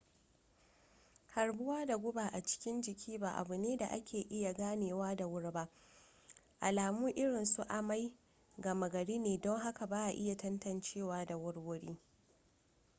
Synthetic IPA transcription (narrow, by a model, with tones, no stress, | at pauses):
hɐ˨ɾbʊ˦waː˦da˨ɡʷʊ˦baː˨ʔa˨t͡ʃɪ̥˦kʲɪ˦nd͡ʒɪ˨kʲʰiː˦baː˨ʔa̰˨bʊ˨neː˦da˨ʔa˦kʲeː˨ʔɪ˦ja˨ɡaː˦neː˨waː˦da˨wʊ˦ɽba˦ | ʔa˨laː˨muː˦ʔɪ˦ɽɪ˨nsu˦ʔa˨ma˦j | ɡɐ˨ma˨ɡɐ˨ɽiː˦neː˨dɔ˦ŋɦa˦ka˨baː˦ʔa˨ʔɪ˦ja˨tɐ˦ntɐ˨nt͡ʃeː˦˨waː˦da˨wʊ˦ɽwʊ˦ɽḭː˦